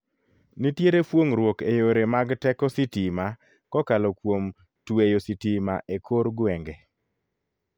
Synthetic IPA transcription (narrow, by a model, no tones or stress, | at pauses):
nitjeɾepwoŋɾwokejoɾemaɡtɛkɔsɪtima | kɔkalɔkwom | twejositima̰ʔekʰoɾɡwɛŋɡe